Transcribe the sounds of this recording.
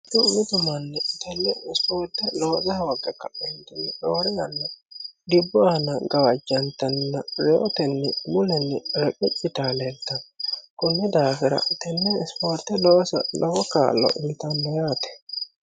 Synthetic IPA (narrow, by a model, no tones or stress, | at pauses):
d̪ʊmːɪt̪ʊmɐnːɛt̪ɛlːɛɪspoːɾt̪ːɛloːzɐhɐwɐɡɐkːɐʔɛnt̪ɛnːɛᶑoːɾɛjɐnːɐd̪ɪbːɔɐnɐɡɐwɐd͡ʒːɐnt̪ːɐnːɐɾɛɔt̪ɛnːɛmʊlɛnːɛɾɐkʼɪt͡ʃʼːɪt̪aːlɛd̪ːɐkʊnːɛd̪aːfɪɾɐ̰t̪ɛnːɛɪspoːɾt̪ɛlɔsɐ̰lɔɡɔka̰ːlɔ̰ʔɪlt̪ɐnlɛjaːt̪ɛ̥